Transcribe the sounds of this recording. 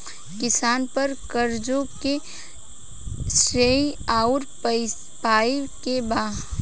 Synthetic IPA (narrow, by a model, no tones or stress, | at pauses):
kɪsaːnpɐɾkəɾd͡ʒõke | sɾeːaːʊɾ | paːikebaː